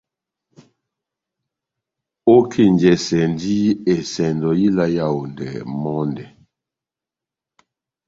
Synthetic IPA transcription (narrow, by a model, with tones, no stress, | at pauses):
o˦kʰe˦˨nd͡ʒɛ˨sɛ˨n˦di˦e˨sɛ˨ndɔ˨ji˦la˦ja˦˨wu˨ndɛ˨mɔ˦ndɛ˨